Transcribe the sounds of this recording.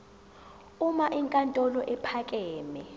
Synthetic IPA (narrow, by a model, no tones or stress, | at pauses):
umaʔiŋkʼantʼɔlɔʔɛpʰakʼɛːmɛ